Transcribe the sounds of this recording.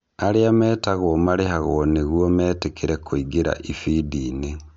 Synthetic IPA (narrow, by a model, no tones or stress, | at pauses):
aɾeamɛːtaɣomaɾeɦaɣoneɣwomɛːtekʰeɾekʰoiɡeɾa̰ʔifidine